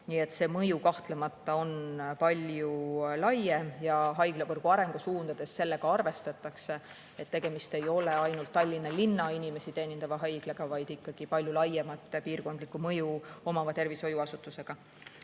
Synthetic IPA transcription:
niːe̞t̪se̞ːmɤjukɑht̪lemɑt̪ːˑɑo̞npɑlʲjulɑjemjɑɦɑjɡ̥levɤrɡ̥uɑɾe̞ŋɡ̥usuːnd̪̥ɑd̪̥e̞sːe̞lːeɡ̥ɑɑrve̞st̪ɑt̪ːˑɑkse̞ | et̪ːe̞ɡ̥e̞mist̪e̞jo̞leɑjnult̪ːɑlʲːinːɑlinːɑinime̞sit̪e̞ːnʲind̪ɑvɑɦɑjɡ̥leɡ̥ɑvɑjd̪̥ikːɑɡ̥ipɑlʲjulɑjemɑt̪ːˑpiːrko̞nd̪likːˑumɤjuo̞mɑvɑt̪e̞rviso̞juɑsut̪ːˑuse̞ɡ̥ɑ

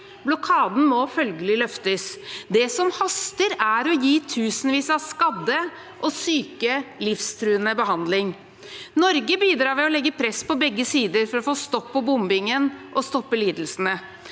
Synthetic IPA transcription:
blɔkʰɑːd̪n̩mɔfœlɡəlɪlœft̪əsd̪ɛsɔmhɑst̪əɾæɾɔjiːt̪ʰʉːsənʋiːsɑʋskɑd̪ːə | ʔɔsyːkəlɪfst̪ʰɾʉːənəbəɦɑnd̪lɪŋ | nɔɾɡəbiːd̪ɾɑːmɛɔlɛɡːəpʰɾɛspɔbɛɡːəsiːd̪əɾfɔɾɔfoːst̪ɔpːɔbʊmbɪŋənʔɔst̪ɔpːəliːd̪əl̩sənə

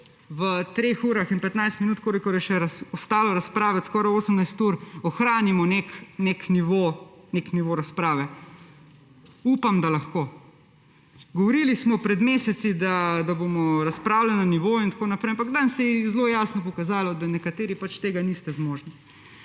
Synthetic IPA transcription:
ʋət̪ɾeːxuːɾaxinpɛt̪najst̪minuːt̪koːlikɔɾjɛʃɛɾaɔst̪aːlɔɾaspɾaːʋɛskɔːɾajoːsəmnajst̪uɾɔxɾaːnimɔneknekniʋonekniʋoɾaspɾaːʋɛ | uːpamd̪alaxkoː | ɡɔʋɔɾiːlismɔpɾɛd̪meːsɛt̪sid̪ad̪abomɔɾaspɾaːwlalnaniʋoːint̪akoːnapɾɛjamp̬aɡd̪ansɛjɛzloːjaːsnɔpɔkazaːlɔd̪anɛkat̪eːɾipat͡ʃt̪eːɡanist̪ɛzmoːʒni

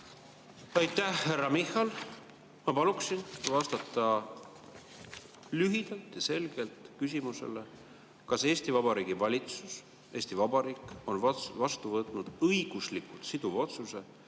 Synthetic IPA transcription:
ɑjt̪ːˑæhhærːɑmihːɑl | mɑpɑluksinvɑst̪ɑt̪ːˑɑ | lyɦid̪̥ɑlt̪ˑjɑse̞lɡ̥e̞lt̪kys̬ʲimuse̞̰le̞ | kɑse̞ːst̪ivɑbɑɾiːɡ̥ivɑlʲit̪sus | e̞ːsʲt̪ivɑbɑɾiːkˑo̞nvɑst̪uvɤt̪ˑnud̪̥ɤjɡ̥uslikult̪sid̪uvo̞t̪suse̞

